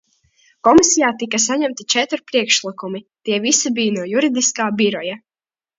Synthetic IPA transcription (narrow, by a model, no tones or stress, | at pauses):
kɔmisijaːt̪ikas̬aɲæmt̪it͡ʃɛt̪ɾpɾiɛkʃlˠikumit̪iɛvisibijnuɔjuɾid̪iskaːbiɾɔja